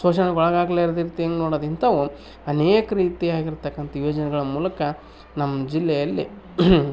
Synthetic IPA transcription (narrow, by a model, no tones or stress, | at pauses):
soːʃɐnɐɡɔɭɐɡaːɡleiɾd̪iɾt̪ːeːnɡnoːɽoːd̪int̪ʰɐʋu | ɐneːkɐɾiːt̪iaːɡiɾt̪ɐkːɐnt̪ɐjoːd͡ʒɐnɛɡɐɭɐmuːlɐkɐ | nɐmːɐd͡ʒilːɛjɐlːḭ